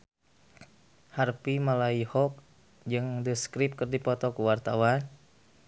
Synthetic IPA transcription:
harpimalaihɔk̚ | d͡ʒɨŋdəskɾip̚kərdipɔt̪ɔkuwart̪awan

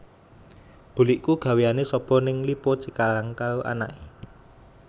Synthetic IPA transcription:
b̥ṳliʔkuɡ̥ä̤wejanesɔb̥ɔ̤nɪŋlipot͡ʃikalaŋkaoʔa̰na̰ʔe

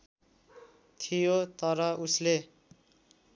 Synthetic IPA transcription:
t̪ʰijot̪ʌɾʌusle

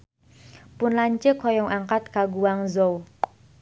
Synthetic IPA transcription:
pʊnlaɲt͡ʃəkʰɔjɔŋʔaŋkat̪̚ɡ̥aɡuwaŋzow

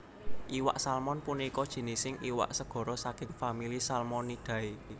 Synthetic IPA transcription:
ʔiwa̰ʔsalmɔnpunikɔd̥ʒ̥i̤nisɪŋiwa̰ʔsəɡ̥ɔ̤ɾɔsakɪŋfamilisalmɔnid̪̥ä̤e

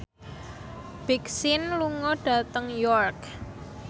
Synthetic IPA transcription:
b̥iksɪnluŋɔɖ̥ä̤t̪əŋjɔrk

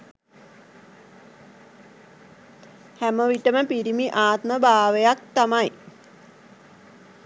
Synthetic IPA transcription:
hæməʋiʈəməpiɾimiʔaːt̪məbʱaːʋejak̚t̪amaj

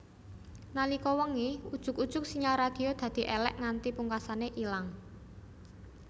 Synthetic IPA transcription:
nalikɔwɔŋiud̥ʒ̥ʊ̤kud̥ʒ̥ʊ̤k̚siɲaɾad̪̥i̤od̪̥ä̤d̪̥i̤ʔelɛ̰ʔŋant̪ipuŋkasaneʔilaŋ

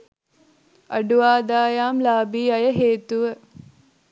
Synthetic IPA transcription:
ɐ̰ɖuʋaːd̪aːjaːmlaːbiːɐjəɦeːt̪uʋə

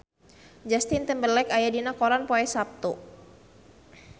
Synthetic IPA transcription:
d͡ʒast̪ɪnt̪ɛmbəlɛkajadinakɔɾanpoɛsap̚t̪u

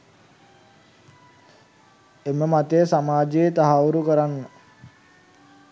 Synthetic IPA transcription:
eməmat̪ejsamaːd͡ʒeːt̪aɦauɾukəɾanːə

